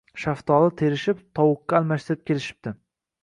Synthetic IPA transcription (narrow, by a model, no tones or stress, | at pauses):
ʃaft̪ʰɒlˠɪt̪ʰe̞ɾɪʃɪpt̪ʰɒwʊqːaːlˠmaʃt̪ɪɾɪp̚kʲʰe̞lɪʃɪ̥p̚d̪̥ɪ